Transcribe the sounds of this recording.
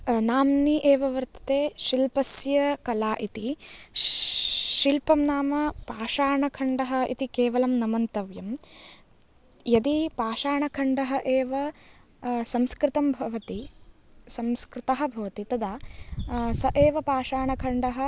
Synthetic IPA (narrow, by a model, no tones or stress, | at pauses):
naːmniʔeːʋɐʋɐɾt̪ɐ̥t̪eːʃilpɐsjɐkɐlaːʔit̪i | ʃilpɐmnaːmɐpaːʃaːɳɐkʰɐɳɖɐɦɐ̆ʔḭt̪ikeːʋɐlɐmnɐmɐnt̪ɐʋjɐm | jɐd̪ipaːʃaːɳɐkʰɐɳɖɐɦɐʔeːʋɐ | sɐmskɾɪt̪ɐmbʱɐʋɐt̪i | sɐmskɾɪt̪ɐɦɐ̆bʱɐʋɐt̪it̪ɐd̪aː | sɐʔeːʋɐpaːʃaːɳɐkʰɐɳɖɐɦɐ̆